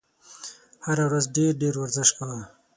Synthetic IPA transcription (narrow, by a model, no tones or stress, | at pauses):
haɾawɾazɖeɾɖeɾwaɾzɪʃkawa